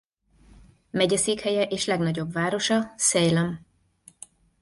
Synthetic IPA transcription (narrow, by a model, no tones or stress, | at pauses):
mɛɟɛseːkhɛjɛʔeːʃlɛɡnɒɟo̞bvaːɾo̞ʃɒsɛjlɛm